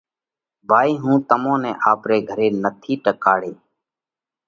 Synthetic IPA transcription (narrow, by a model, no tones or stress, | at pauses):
bʱaːiːɦũːt̪əmõːnɛ̃ːʔaːpɾeːɡʱəɾeːnət̪ʰiːʈəkaːɽeː